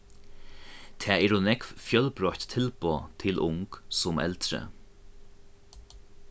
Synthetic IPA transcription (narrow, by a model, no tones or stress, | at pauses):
t̪ʰɛːɛːɾʊnɛkvfjœlpɾɔht̪ʰːɪlpoːt̪ʰɪlʔʊŋksʊmɛ̰lt̪ɾə̰